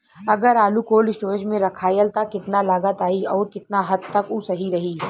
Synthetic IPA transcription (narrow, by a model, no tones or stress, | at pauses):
ɐɡəɾaːlukoːlɪsʈoːɾd͡ʒmẽɾɐkʰaːjəlt̪akɪt̪nalaːɡət̪aːiɔːɾkɪt̪naɦɐd̪̚t̪ɐkuːsɐɦiɾɐɦiː